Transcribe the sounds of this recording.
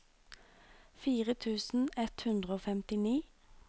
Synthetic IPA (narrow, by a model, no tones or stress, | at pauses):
fiːʁət̪ʰʉːsn̩ɛt̪hʉnd̪ʁəoːfɛmt̪ɪniː